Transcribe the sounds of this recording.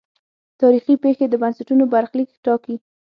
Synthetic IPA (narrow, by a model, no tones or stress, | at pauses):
t̪ɑɾixipexed̪əbansaʈunobaɾxlikʈɑki